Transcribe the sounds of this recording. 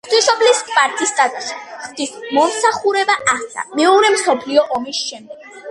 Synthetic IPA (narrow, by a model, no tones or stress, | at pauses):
χd̪isɔbliskʼpʼaɾt̪ʼist̪ʼat̪ʼaʃɛχd̪ismɔmsaχuɾɛbaʔat̪sʰa̰mɛuɾɛmsɔpʰliɔʔɔmisʃɛmd̪ɛɡ̥